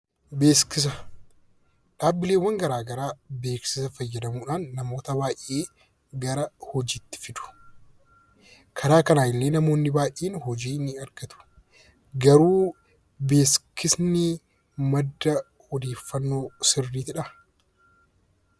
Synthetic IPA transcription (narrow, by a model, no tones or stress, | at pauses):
be̞ːskɪs̬ɐ | ᶑaːbːɪle̞ːwːɐŋɡɐɾaːɡɐɾaːbe̞ːksɪsɐfɐjːɐd̪ɐmuːᶑaːnːɐmo̞ːt̪ɐbaːjʔeː | ɡɐɾɐhɔd͡ʒiːt̪ːɪ̥fɪd̪ʊ̥ | kʰɐɾaːkɐnaːɪlːeːnɐmo̞ːnːɪbaːʔeːnhɔd͡ʒiːnɪɐɾɡɐt̪ʊ̥ | ɡɐɾuː | be̞ːskɪsnɪ | mɐd̪ːɐ | hɔd̪e̞ːfːɐnːo̞ːsɪrːiːt̪ɪᶑɐ